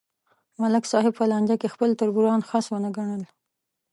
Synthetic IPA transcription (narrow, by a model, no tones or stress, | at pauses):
malɪksɑɦɪb̚pəlɑnd͡ʒakexpəlt̪ʊɾbuɾɑnxɑswənəɡaɳəl